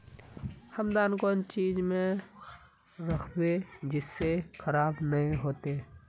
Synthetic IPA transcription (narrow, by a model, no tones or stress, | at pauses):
hɐmd̪aːnkɔːnt͡ʃiːzmẽ | ɾɐkʰbed͡ʒɪsːexʰəɾaːbnɐɦĩɦoːt̪e